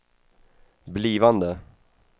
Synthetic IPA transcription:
bliːvand̪ə

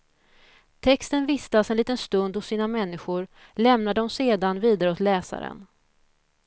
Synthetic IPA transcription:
t̪ʰɛkst̪ənvɪst̪asɛnliːt̪ənst̪ɵnd̪hʊsːiːnamɛnːɪɧʊɾ | lɛmnad̪əɔmseːd̪anviːd̪aɾəoːt̪lɛːsa̰ɾə̰n

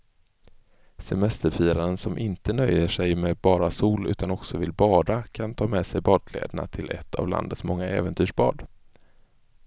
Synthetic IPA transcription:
sɛmɛst̪əɾfiːɾaɾənsɔmʔɪnt̪ənœjːəʂɛjmɛbɑːɾasuːlʉ̟ːt̪anɔksɔvɪlbɑːd̪akʰant̪ʰɑːmɛsɛjbɑːd̪̚kʰlɛ̰ːd̪əɳa̰t̪ʰɪlʔɛ̰t̪ʰːa̰vla̰nd̪ət̪smɔŋːaʔɛːvənt̪ʰyːʂbɑ̰ːɖ

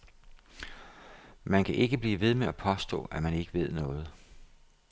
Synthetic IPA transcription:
mænkʰæʔe̝ɡ̥əb̥liːʋe̝ð̞ˠmeæpʰɒ̽sd̥ɔ̰̽ːæmæne̝ɡ̥əʋe̝ð̞̰ˠnɔ̽ːð̞̩ˠ

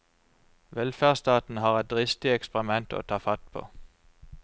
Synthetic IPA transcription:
ʋɛlfæːʁst̪ɑːt̪n̩hɑːʁɛt̪̚d̪ʁɪst̪ɪɛkspəʁɪmɛnt̪ʰo̰ːt̪ʰɑːfɑt̪pʰo̰ː

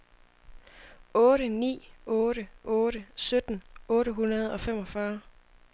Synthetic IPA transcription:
ɔ̽ːɾənḭːɔːɾəʔɔ̽ːɾəsød̥n̩ɔ̽ːɾəɦunɐð̞ˠɒ̽fem̰ɒ̽fɶɐ

